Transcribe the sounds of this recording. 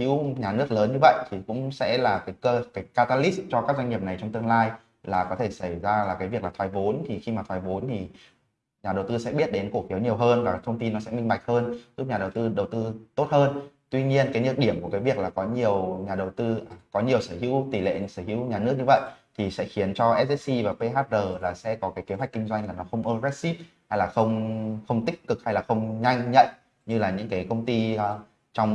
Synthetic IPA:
hḭ˧˥wɲaː˨˩nɨ˦˥ək̚ləː˨˦nɲɨ˧və̰˧˨jʔt̪ʰi˨˩kʊ̰˧˥ŋ͡msɛ̰˧˥laː˨˩kaː˨˦jkə˧kaː˨˦jkaː˧t̪aː˧li˦˥s̚t͡ɕɔ˧kaː˦˥k̚za˧ŋ̟ɲi˨˩əp̚na˨˩jt͡ɕɔ˧wŋ͡mt̪ɨ˧əŋlaː˧j | laː˨˩kɔ˨˦t̪ʰe˧˩sa˧˩jzaː˧laː˨˩kaː˨˦vəklaː˨˩t̪ʰwaː˨˩jvo˨˦nt̪ʰi˨˩xi˧maː˨˩t̪ʰwaː˨˩jvo˨˦nt̪ʰi˨˩ | ɲaː˨˩ɗə˨˩wt̪ɨ˧sɛ̰˧˥ɓi˦˥ət̚ɗe˨˦nku˧˩əkxi˨˦əwɲi˨˩əwɦəː˧nvaː˨˩˦t̪ʰə˧wŋ͡mt̪i˧nːɔ˨˦sɛ̰˧˥mï˧ŋ̟ɓa˨˩jk̟̚həː˧nzu˦˥ɲaː˨˩ɗə˨˩wt̪ɨ˧ɗə˨˩wt̪ɨ˧t̪o˦˥t̚həː˧nt̪wi˧ɲi˧ənkaː˨˦nɨ˧˩ɗi˧˩əmku˧˩əkaː˨˦jvi˨˩ək̚laː˨˩kɔ˨˦ɲi˨˩əwɲaː˨˩ɗə˨˩wt̪ɨ˧˨˩kɔ˨˦ɲi˨˩əwsəː˧˩hḭ˧˥wt̪i˧˩lḛ˧˨səː˧˩hḭ˧˥wɲaː˨˩nɨ˦˥ək̚ɲɨ˧və̰˧˨jʔt̪ʰi˨˩sɛ̰˧˥xi˨˦ənt͡ɕɔ˧ʔɛ˦˥ɛ˦˥s̚si˧vaː˨˩pe˧ɦaː˦˥t̚zəː˨˩laː˨˩sɛ̰˧˥kɔ˨˦kaː˨˦jke˨˦ɦwjk̚ki˧ŋ̟zwa˧jŋ̟laː˨˩nɔ˨˦xə˧wŋ͡mʔəː˧zɛ˦˥t̚si˦˥p̚ | ha˧jlaː˨˩xə˧wŋ͡mxə˧wŋ͡mt̪ï˦˥k̚ːɨ˨˩k̚ha˧jlaː˨˩xə˧wŋ͡mɲa˧jŋ̟ɲə̰˧˨n | ɲɨ˧laː˨˩ɲɨ̰˧˥ŋkaː˨˦jkə˧wŋ͡mt̪i˧˨˧ | t͡ɕɔ˧wŋ͡m

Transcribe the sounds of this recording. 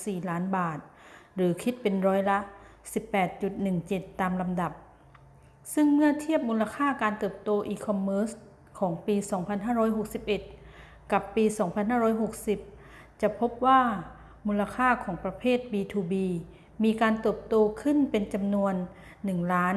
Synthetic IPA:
siː˨˩laː˦˥nbaː˨˩t̪̚ɾɯː˩˦kʰi˦˥t̪̚pe˧nɾɔː˦˥jla˧˥si˨˩pːɛː˨˩t̪̚t͡ɕu˨˩t̪̚nɯ˨˩ŋt͡ɕe˨˩t̪ːaː˧mla˧mda˨˩p̚ | sɯ˥˩ŋmɯ˥˩ɐt̪ʰi˥˩əp̚muː˧la˧kʰaː˥˩kaː˧nt̪ɤː˨˩p̚t̪oː˧ʔiː˧kʰɔ˧mːɤː˦˥s | kʰɔː˩˦ŋpiː˧sɔː˩˦ŋpʰa˧nɦaː˥˩ɾɔː˧˥jɦo˨˩k̚si˨˩p̚ʔe˨˩t̪̚ | ka˨˩pːiː˧sɔː˩˦ŋpʰa˧nɦaː˥˩ɾɔː˧˥jɦo˨˩k̚si˨˩p̚ | t͡ɕa˨˩pʰo˦˥p̚waː˥˩ | muː˧la˧kʰaː˥˩kʰɔː˩˦ŋpɾa˧pʰeː˥˩t̪̚biː˧t̪ʰuː˧biː˧ | miː˧kaː˧nt̪ɤː˨˩p̚t̪oː˧kʰɯ˥˩˨npe˧nt͡ɕa˧mnu˧ənː | ɯ˨˩ŋlaː˦˥n

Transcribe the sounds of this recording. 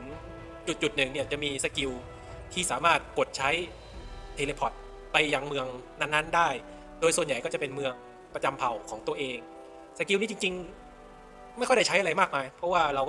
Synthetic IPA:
n | t͡ɕu˨˩t̪̚t͡ɕu˨˩t̪̚nɯ˨˩ŋni˥˩ɐt͡ɕa˨˩ʔmiː˧sa˧˩ki˧w | t̪ʰiː˥˩saː˩˦maː˥˩t̪̚ko˨˩t̪̚t͡ɕʰa˦˥j | t̪ʰeː˧le˧pʰɔ˨˩t̪̚ | pa˧jːa˧ŋmɯ˧əŋna˧˥˩nːa˦˥ndaː˥˩j | doː˧jsu˨˩ənja˨˩jkɔː˥˩t͡ɕa˨˩pe˧nmɯ˧əŋ | pɾa˧t͡ɕa˧mpʰa˨˩wkʰɔː˩˦ŋt̪u˧əʔeː˧ŋ | sa˧ki˧wniː˥˩t͡ɕi˧ŋt͡ɕi˧ŋ | m˥˩jkʰda˥˩t͡ɕʰjʔa˧ɾa˧jmaː˥˩k̚maː˧jpʰɾɔ˦˥waː˥˩ɾa˧wkɔː˩

